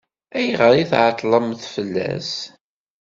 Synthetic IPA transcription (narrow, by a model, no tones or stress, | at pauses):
æjʁəɾiθʕət̪ˤːlˤəmθfəlːæ̰s